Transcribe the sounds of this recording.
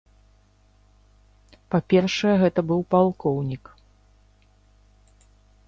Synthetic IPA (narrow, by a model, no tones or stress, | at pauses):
papʲɛrʂɨjɛɣɛt̪ɐbɨwpalˠkɔwnʲik